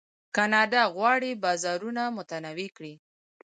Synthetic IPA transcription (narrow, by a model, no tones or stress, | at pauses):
kɑnɑd̪aɣwɑɽibɑzɑɾunamʊt̪anawikɽi